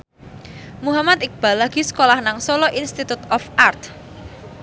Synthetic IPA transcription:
muɦamat̪ɪk̚b̥a̤laɡ̥isə̥kolahnaŋsɔlɔʔinst̪it̪ut̪ɔfart̪̚

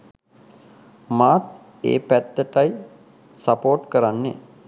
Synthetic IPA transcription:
maːt̪ | ḛːpæt̪ːəʈaj | sapoːʈkəɾanːḛ

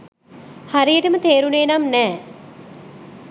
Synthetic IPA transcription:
haɾijəʈəmət̪eːɾuneːnamnɛː

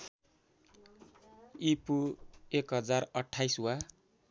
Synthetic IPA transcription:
ipuekɦʌd͡zarʌʈʰːajsuwa

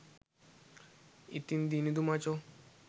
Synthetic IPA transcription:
it̪ind̪inid̪umat͡ʃo

